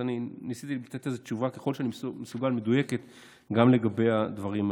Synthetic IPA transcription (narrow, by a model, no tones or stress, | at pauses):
aninisit̪ilat̪e̞t̪le̞zet͡ʃuvake̞χo̞lʃeanimsmesuɡalme̞d̪uje̞ket̪ | ɡamle̞ɡabe̞jad̪vaʁim